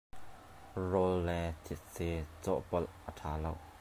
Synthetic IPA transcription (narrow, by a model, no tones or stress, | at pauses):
rɔlːɛt̪ʰit̪̚set͡sɔ̰ʔpɔlʔət̪ʰaːlow